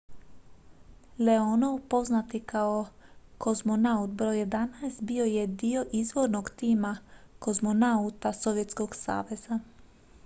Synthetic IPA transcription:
leonowpo̞znat̪ikʰaoko̞zmonaut̪̚bɾojed̪anaest̪bio̞jed̪io̞ʔizʋoɾnoɡt̪iːmakozmo̞naut̪aso̞ʋjet̪sko̞ɡsa̰ːʋe̞za

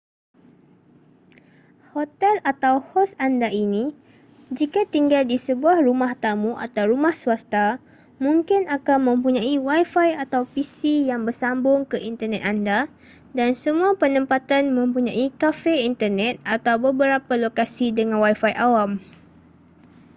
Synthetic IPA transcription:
hot̪ɛlat̪awhɔsandaʔini | d͡ʒikat̪iŋɡaldisəbuahrumaht̪amũʔa̰t̪awɾumahsuast̪a | mũŋkɪnakanmə̃mpuɲãiwajfajat̪awpisijaŋbərsambʊŋkəʔint̪ərnɛt̪anda | dansəmũapənə̃mpat̪anmə̃mpuɲãikafɛint̪ərnɛ̃t̪̚at̪awbəbəɾapalokasidəŋãnwajfajʔawam

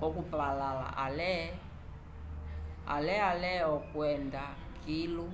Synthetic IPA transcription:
ɔk̬upalala̰ʔalɛ | a̰lɛalɛɔkwɛnda | kʰilu

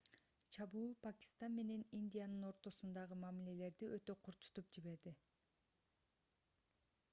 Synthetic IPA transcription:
t͡ʃʰɑβuːlˠpakʲi̥st̪anme̞ne̞nind̪ʲijanɯno̞ɾt̪o̞sund̪ɑʁɯmɑmile̞le̞ɾd̪iʔøt̪ø̞qʰuɾt͡ʃu̥t̪up̚d͡ʒiβe̞ɾd̪i

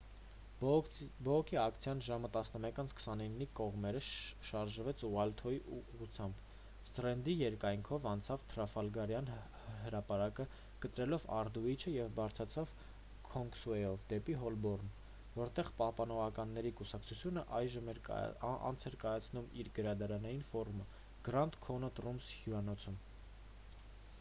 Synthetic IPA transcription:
bɔʁɔkʰiɑkt͡sʰjɑnʒɑmət̪ɑsnəmɛkɑnt͡sʰkʰə̥sɑninːikɔʁmɛɾəʃɑɾʒəvɛt͡sʰuʁɑlt̪ʰɔiʔuʁut͡sʰjɑmb | st̪ɾɛnd̪ijɛɾkɑjŋkʰɔvɑnt͡sʰɑvt̪ʰɾɑfɑlɡɑɾjɑn | həɾɑpɑɾɑkə | kət̪ɾɛlɔvɑ̰ɾd̪uit͡ʃʰəjɛvbɑɾt͡sʰɾɑt͡sʰɑv | kʰɔŋksuɛjɔvd̪ɛpiɦɔlbɔrn | vɔɾt̪ɛʁpɑhpɑnɔʁɑkɑnːɛɾikusɑkt͡sʰut͡sʰjunəʔɑjʒəmɛɾɑ̰nt͡sʰɛɾkɑjɑt͡sʰnumiɾɡəɾɑd̪ɑɾɑnɑjinfɔɾumə | ɡ̥ɾɑnt̪kʰɔnət̪rumshjuɾɑnɔt͡sʰum

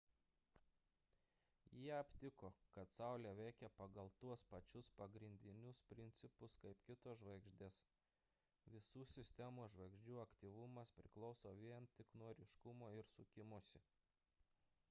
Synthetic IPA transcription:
jiɛɐpʲt̪ʲɪkoːkɐt̪sɑˑʊlʲeːʋʲɛɪkʲɛpɐɡɐlˠt̪uɔspɐt͡ʃʲʊspɐɡɾʲɪnʲd̪ʲɪnʲʊspʲɾʲɪnʲt̪sʲɪpʊskɐɪpkʲɪt̪oːʒʋɐɪɡʒʲd̪ʲeːs | ʋʲɪsuːsʲɪsʲt̪ʲɛmoːʒʋɐɪɡʒʲd͡ʒʲuːɐkt̪ʲiːʋʊmɐspʲɾʲɪklˠɒʊsoːʋʲiɛnt̪ʲɪknuɔɾʲɪʃkʊmoːɪɾsʊkʲɪmʊsʲɪ

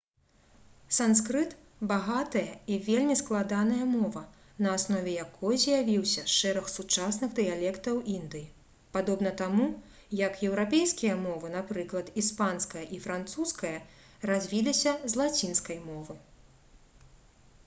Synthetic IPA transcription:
sanskɾɨt̪ | baɣat̪ɐjɐivʲelʲmʲisklˠad̪anɐjɐmɔvɐ | nɐːsnɔvʲɛjakʰɔjzʲjavʲiwsʲɐʂɛɾɐxsut͡ʂasnɨɣd̪ɨjalʲɛkt̪ɐwʔind̪ɨji | pad̪ɔbn̪ɐt̪amu | jɐkjɛwɾapʲejskʲijɐmɔvɨnapɾɨklˠɐt̪ispanskɐjɐʔifɾant̪suskɐjɐ | razʲvʲilʲisʲɐzlˠat͡sʲinskɐjmɔvɨ

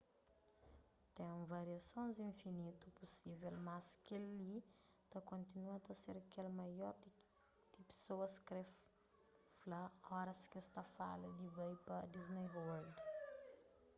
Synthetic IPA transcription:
t̪ẽvaɾiasõnzĩnfinit̪upɔsivɛlmaskʲelːi | t̪akõnt̪inuat̪aseɾakelmajɔɾd̪ | d̪̥ipe̥sowəskɾef | silaɔɾasi̥kʲisi̥t̪afa̰ləd̪ibajpad̪iznejɦoald̪i̥

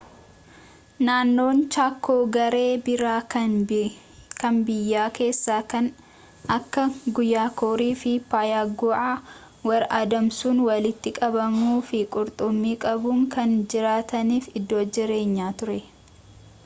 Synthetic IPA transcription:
naːnːo̞ːnt͡ʃaːkːoːɡɐɾe̞ːbɪɾaː | kɐnbɪjːaːke̞ːsːaːkɐn | ʔɐkːɐɡʊjːaːkoːɾiːfɪpaːjaːɡʊʔaː | wɐɾaːd̪ɐmsuːnwɐlɪt̪ːɪkʼɐbɐmuːfɪkʼʊɾt̪ʼʊmːiːkʼɐbuŋkɐnd͡ʒɪɾaːt̪ɐniːfɪd̪ːo̞ːd͡ʒɪɾe̞ːɲːaːt̪ʊɾɛ

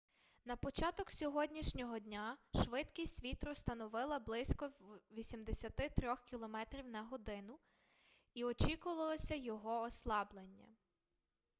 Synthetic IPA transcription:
nɐpɔt͡ʃɑt̪ɔksʲɔɦɔdʲnʲiʃnʲɔɦɔdʲnʲaʃʋɪt̪kʲijsʲtʲʋʲit̪ɾɔst̪ɐnɔʋɪlˠɐblˠɪsʲkɔʋʲisʲimd̪esʲɐt̪ɪt̪ɾʲɔxkʲilˠɔmɛt̪ɾʲiwnɐɦɔd̪ɪnʊ | iɔt͡ʃikʊʋɐlˠɔsʲɐjɔɦɔːslˠɑblˠenʲːɐ̰

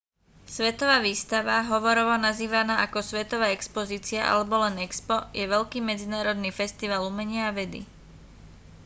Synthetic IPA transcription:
sʋɛt̪ɔʋaːʋiːst̪aʋaɦɔʋɔɾɔʋɔnaziːʋanaːʔakɔsʋɛt̪ɔʋaːɛkspɔziːt͡siaʔa̰lɛbɔlɛnɛkspɔjɛʋɛʎkiːmɛd͡zinaːɾɔd̪niːfɛst̪iʋaːlumɛɲɪaːʋɛd̪ḭ

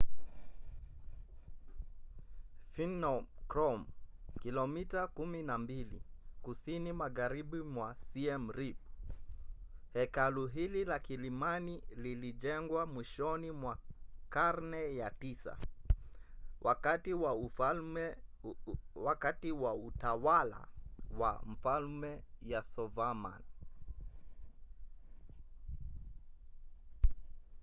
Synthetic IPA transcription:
finɔkɾɔmkilɔmitakuminambilḭkusinimaɣaɾiɓimwasiɛm̩ɾip̚ | hɛkaluɦililakilimanililiʄɛŋɡwamwiʃɔnimwakaɾnɛjatisa̰ | wʔakatiwa | wakatiwautawala̰wa̰m̩falmɛjasɔvama̰n

